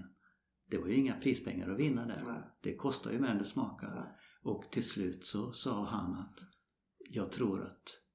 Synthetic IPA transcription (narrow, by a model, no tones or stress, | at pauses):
n | d̪̥ɛvaɾjɵɪŋːapʰɾiːspʰɛŋːa̰ɾɔvɪnːad̪æ̰ɾd̪̥ɛkʰɔst̪a̰jɵmɛɾnd̪əsmɑːkaʔɔkt̪ʰːɪlslʉ̟ːt̪sɔsɑːɦa̰nat̪ | jɑːɡ̚t̪ʰɾuːɾa̰t̪